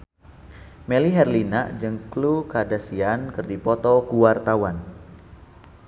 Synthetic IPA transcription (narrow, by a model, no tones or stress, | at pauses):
meliɦɛrlinaʔd͡ʒəŋklukadasiankərdipɔt̪ɔkuwart̪awan